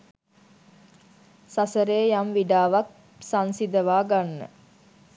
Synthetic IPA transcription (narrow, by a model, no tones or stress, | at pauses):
sasəɾeːjamʋiɖaːʋak̚ | sansid̪əʋaːɡanːə̰